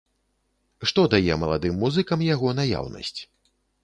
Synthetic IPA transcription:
ʂt̪ɔd̪ajɛ̰mɐlˠad̪ɨmːuzɨkɐmjaɣɔnaja̰wnɐ̰sʲt͡sʲ

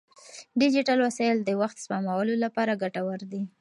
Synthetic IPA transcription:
ɖɪd͡ʒiʈalwasɑjld̪əwaxt̪spɑmawəlolapɑɾaɡaʈawəɾd̪i

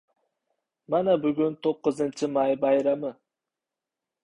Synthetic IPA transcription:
manabʊɡʲʊnt̪ʰoqːɨzɪnt͡ʃʰɪmajbajɾamɪ

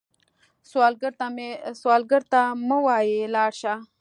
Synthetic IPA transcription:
swɑlɡəɾt̪ameswɑlɡəɾt̪aməwɑjelɑɽʃa

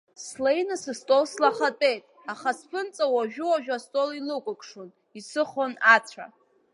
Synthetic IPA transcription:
slejnɨsɨstʼolslaχatʼe̞jtʼaχaspʰɨnt͡sʼawaʒᶣʊwaʒᶣastʼolilɨkʷʼʊkʷʼʂon | isɨχonat͡sʷʰa̰

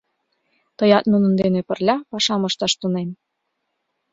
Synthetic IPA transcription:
t̪ɤ̆jɑt̪nunə̆nd̪enepə̆rlʲɑpɑʃɑmɤ̆ʃt̪ɑʃt̪unem

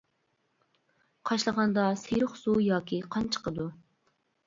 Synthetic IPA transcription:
qʰɑʃlˠəʁɑnd̪ɑseɾʊχz̥ujɑːkʲʰiqʰɑnt͡ʃʰə̥qʰəd̪u

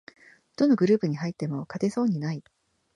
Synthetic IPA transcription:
d̪̥o̞no̞ɡɯ̟ɾɯ̟ːpɯ̟ɲ̟iɦait̪ːe̞mo̞kat̪e̞so̞ːɲ̟inai

